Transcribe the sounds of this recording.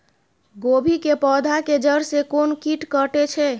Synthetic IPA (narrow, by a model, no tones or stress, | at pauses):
ɡobʱikepɔd̪ʱaked͡ʒəɾsekonkiʈkəʈet͡ʃʰɛ